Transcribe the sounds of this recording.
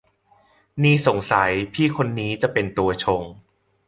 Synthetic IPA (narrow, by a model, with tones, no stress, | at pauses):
niː˥˩so˨˩˦ŋsa˩˦jpʰiː˥˩kʰo˧nːiː˦˥t͡ɕa˨˩ʔpe˧nt̪u˧ɐt͡ɕʰo˧ŋ